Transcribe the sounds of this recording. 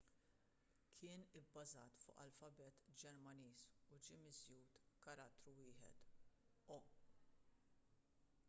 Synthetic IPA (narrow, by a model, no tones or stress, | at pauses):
kʰɪːnɪbːɐzɐːt̪fʊ̰ːʔɐ̰lfɐbɛːt̪d͡ʒɛɾmɐniːsʊd͡ʒiːmɪzjuːt̪kɐɾɐt̪ːɾuwɪːħɛ̰t̪ | ɔ